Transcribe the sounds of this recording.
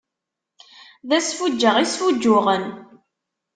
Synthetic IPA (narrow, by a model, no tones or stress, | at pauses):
ðæsfud͡ʒːəʁisfud͡ʒːʊʁən